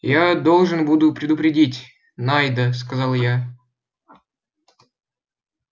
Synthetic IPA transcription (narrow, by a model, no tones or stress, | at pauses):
jad̪o̞lˠʐɨnbud̪ʊpɾʲɪd̪ʊpɾʲɪdʲitʲ | najd̪əskɐzɑlˠja